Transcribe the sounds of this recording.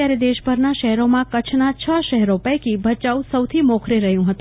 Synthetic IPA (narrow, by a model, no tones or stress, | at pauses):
jaɾed̪eʃbʱəɾnaʃəɦɛɾomãkət͡ʃʰnat͡ʃʰəʃəɦɛɾopəjkibʱət͡ʃausəwt̪ʰimokʰɾeɾəɦjũɦət̪ũ